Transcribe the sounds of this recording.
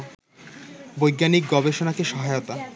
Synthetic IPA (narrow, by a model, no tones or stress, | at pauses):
bojɡːanik̚ɡɔbeʃonakeʃɔɦajot̪a